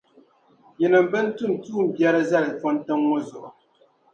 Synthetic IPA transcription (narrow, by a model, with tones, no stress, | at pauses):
jɛ˨nɨ˨m˨˦bɨ˦n̩˦tu˦˨n˨tuː˦˨m̩˨bjɛ˦ɾɨ˦za˦lɨ˨fɔ˦n˦tɨ˦ŋŋɔ˦zʊ˨ʔʊ˨